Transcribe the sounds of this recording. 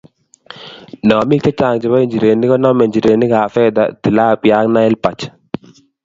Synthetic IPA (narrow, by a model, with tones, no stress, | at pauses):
nɔ˨mi˦k̚t͡ʃa˦t͡ʃa˨ŋd͡ʒɛ˨ba˦i˦ɲd͡ʒi˨ɾe˨ni˦kɔ˦nɔ˦me˨ɲd͡ʒi˨ɾe˨ni˦kaː˨fɛ˦d̪a̰t̪i˨laː˦pjaː˦ŋna˦ɛ˦lpa˨t͡ʃ